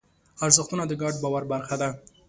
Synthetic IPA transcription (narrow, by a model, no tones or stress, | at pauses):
aɾzəxt̪unad̪əɡɑɖbɑwaɾbaɾxad̪a